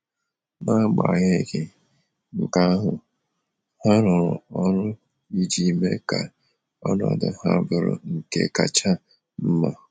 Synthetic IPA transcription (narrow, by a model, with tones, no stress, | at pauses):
na˦ɡ͡ba̰˨ɲe˦ɡɪ˨ | ŋ̩˨ka˦ɦʊ˨ | ha˦ɾʊ˨ɾʊ˨ɔ˦ɾʊ˦ | i˦d͡ʒi˦˨me˦ka˨ | ɔ˦nɔ˨dʊ˨ha˦bʊ˨ɾʊ̰˨ŋ̩˨kḛ˦ka˨t͡ʃa˦ | m̩˦ma˦